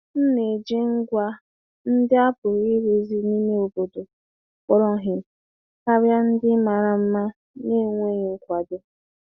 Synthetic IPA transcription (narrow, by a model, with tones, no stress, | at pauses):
n̩˦ne˨d͡ʒi˦ŋ̩˦ɡʷa˦ | n̩˦dɪ˦a˦pʊ˨ɾi˦ɾe˦zi˦ni˦me˦o˨bo˨do˨ | kɔ˦ɾɔ˦ɦɪ˨ | ka˦ɾja˦n̩˦dɪ˦ma˨ɾa˨m̩˦ma˦ | ne˦˨ŋʷe˦ɲe˨ŋ̩˦kʷa˨do˦